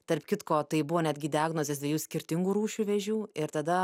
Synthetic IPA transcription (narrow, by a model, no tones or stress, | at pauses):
t̪ɐɾpʲkʲɪt̪koːt̪ɐɪbʊʋoːnʲæd̪ɡʲɪd̪ʲɪæːɡnoːzʲesd̪ʲʋʲeɛjuːsʲkʲɪɾʲt̪ʲɪŋɡuːɾuːʃʲuʋʲɛʒʲuːɪɾt̪ɐd̪ɐ